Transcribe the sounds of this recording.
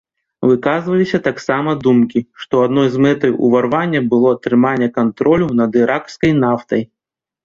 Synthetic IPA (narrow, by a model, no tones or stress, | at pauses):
vɨkazvɐlʲisʲɐt̪aksamɐd̪umkʲiʂt̪ɔad̪nɔjzmɛt̪ɨjṵvarvanʲːɐbɨlˠɔɐt̪ɾɨmanʲːɛkant̪ɾʔɔlʲunɐd̪ɨɾʔakskɐjnaft̪ɐj